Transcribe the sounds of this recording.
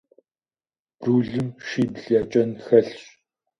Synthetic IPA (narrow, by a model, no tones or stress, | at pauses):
b̥ruːɮɨmʃiːbɮjat͡ʃʼɐnxɐɮɕ